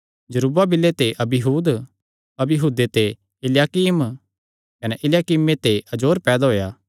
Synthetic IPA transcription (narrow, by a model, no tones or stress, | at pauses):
d͡ʒɐɾuːbabɪlːet̪eʔɐbɪɦuːd̪ | ɐbɪɦuːd̪et̪e | ɪljaːkiːm | kɐnɛʔɪljaːkiːmẽt̪eʔɐd͡ʒoːɾpɛːd̪aɦoːjaː